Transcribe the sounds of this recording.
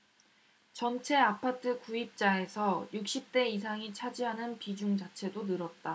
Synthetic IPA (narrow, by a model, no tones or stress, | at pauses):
t͡ɕʌnt͡ɕʰe̞apʰatʰɯkuip̚t͡ɕ͈ae̞sʰʌjuk̚ɕ͈ip̚t͈e̞is̬ʰaŋit͡ɕʰad͡ʑiɦanɯnpid͡ʑuŋd͡ʑat͡ɕʰe̞donɯɾʌt̚t͈a